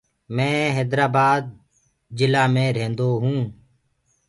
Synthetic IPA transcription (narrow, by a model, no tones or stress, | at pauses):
mɛ̃ːɦɛːd̪ɾaːbaːd̪̚ | d͡ʒɪlaːmẽːɾẽːnd̪oːɦũː